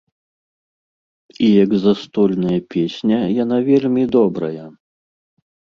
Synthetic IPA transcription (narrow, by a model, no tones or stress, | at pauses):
ijɐɡzɐst̪ɔlʲnɐjɐpʲesʲnʲɐjan̪avʲelʲmʲid̪ɔbɾɐ̰jɐ